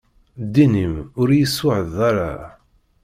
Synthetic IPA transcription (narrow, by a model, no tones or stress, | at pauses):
d̪inimʊɾjəsʊʕəðaɾa̰